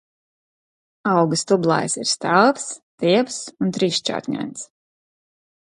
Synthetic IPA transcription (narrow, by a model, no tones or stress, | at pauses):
ɑwɡɨst̪ublˠa̰ːjsiɾst̪alˠpst̪iɛpsunt̪ɾiːʃt͡ʃa̰t̪ɲʲa̰nt̪s